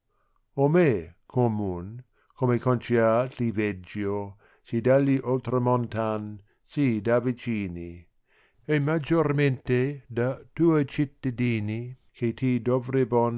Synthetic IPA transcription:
omekʰomun | kʰomekont͡ʃiat̪ivɛd͡ʒjo | sid̪alːiʔolt̪ɾomont̪an | sid̪avit͡ʃiːni | emad͡ʒorment̪ed̪at̪uːet͡ʃit̪ːad̪iːni | kʰet̪id̪ovɾebon

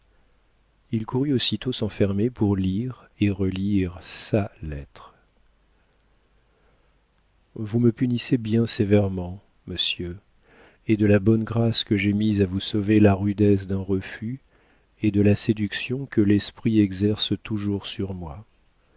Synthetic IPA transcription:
ilkʰuʁyosit̪osɑ̃fɛʁmepuʁliʁeʁəliʁsalɛt̪χ | vuməpynisebjɛ̃sevɛʁmɑ̃ | məsjø | ed̪əlabɔnɡʁaskəʒemizavusovelaʁyd̪ɛs̬d̪ɛ̃ʁəfy | ed̪əlased̪yksjɔ̃kəlɛspχiɛɡzɛʁst̪uʒuʁsyʁmwa

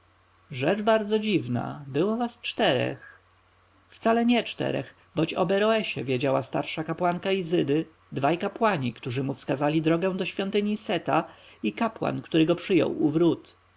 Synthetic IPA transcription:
ʐɛt͡ʂbaɾd̪zɔd͡ʑivna̰bɘwɔvast͡ʂt̪ɛɾɛ̰x | ft̪salɛɲɛt͡ʂt̪ɛ̰ɾɛ̰x | bɔt͡ɕɔ̰bɛɾɔɛɕɛvʲjed͡ʑawast̪aɾʂakapwankaizɘd̪ɘ | d̪vajkapwaɲikt̪uʐɘmufskazalʲid̪ɾɔɡɛ̃w̃d̪ɔɕfʲjɔnt̪ɘɲisɛt̪aikapwa̰nkt̪uɾɘɡɔpʂɘjɔ̰wuvɾut̪

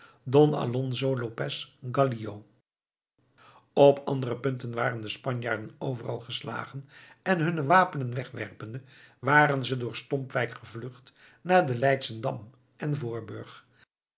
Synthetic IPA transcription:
dɔnɑ̰lɔnzolopɛsɡɑliow | ɔpʰɑndərəpɵntənʋaːrəndəspɑɲja̰ːɹdənowvərɑ̰lˠχəsla̰ːχən | ɛnɦɵnəʋaːpənənʋɛχʋɛ̰rpəndə | ʋaːɾənzədʊːɹstɔmpʋɛjkχəvlɵχt | naːɹdəlɛjtsəndɑm | ʔɛnvʊːɹbø̰ɹχ

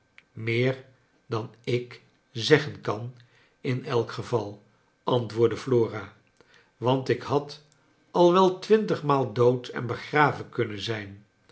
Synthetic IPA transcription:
mɪːɹ | dɑnɪk | zɛχənkɑn | ɪnɛlˠkχəvɑlˠ | ʔɑntʋʊːɹdəfloːraː | ʋɑntɪkɦɑt | ɑlˠʋɛlˠtʋɪntəχmaːlˠdowtʰɛ̰nbəχraːvəkɵnənzɛjn

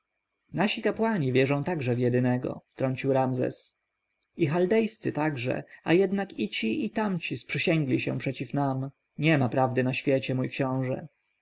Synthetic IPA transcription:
naɕikapwaɲivʲjɛʐɔ̃w̃t̪aɡʐɛvjɛd̪ɘnɛɡɔ̰ft̪ɾɔɲt͡ɕiwɾamzɛ̰s | ixald̪ɛjst̪sɘt̪aɡʐɛ̰ajɛd̪nakit͡ɕiit̪amt͡ɕispʂɘɕɛŋɡlʲiɕɛ̰̃pʂɛt͡ɕifnam | ɲɛmapɾavd̪ɘnaɕfʲjet͡ɕɛmujkɕɔ̃w̃ʐɛ̰

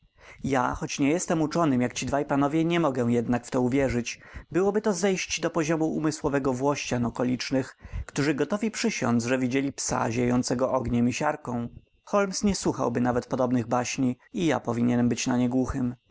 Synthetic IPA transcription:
ja̰xɔt͡ɕɲɛjɛst̪ɛmut͡ʂɔnɘmjakt͡ɕid̪vajpanɔvʲjɛɲɛmɔɡɛw̃jɛd̪nakft̪ɔuvʲjɛʐɘt͡ɕbɘwɔbɘt̪ɔzɛjɕt͡ɕd̪ɔpɔʑɔmuṵmɘswɔvɛɡɔvwɔɕt͡ɕanɔkɔlʲit͡ʂnɘxkt̪uʐɘɡɔt̪ɔvʲipʂɘɕɔ̰̃nzʐɛvʲid͡ʑelʲipsa̰ʑejɔ̃nt̪sɛɡɔʔɔɡɲɛmiɕaɾkɔ̃w̃ | xɔlmsɲɛswuxa̰wbɘnavɛt̪̚pɔd̪ɔbnɘɣbaɕɲi | ija̰pɔvʲiɲɛnmbɘt͡ɕnaɲɛɡwuxɘm

